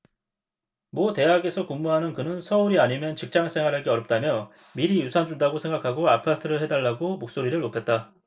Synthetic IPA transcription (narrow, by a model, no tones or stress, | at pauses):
mwʌte̞ɦaɡe̞sʰʌkuŋmuɦanɯnkɯnɯnsʰʌuɾiaɲimjʌnt͡ɕɯk̚t͡ɕ͈aŋs͈ʰe̞ŋwaɾɦaɭɡeʌɾjʌp̚t͈amjʌ | miɾijusʰand͡ʑundaɡosʰe̞ŋɡakʰaɡoapʰatʰɯɾɯɭhedaɭːaɡomok̚s͈oɾiɾɯɭːopʰe̞t̚t͈a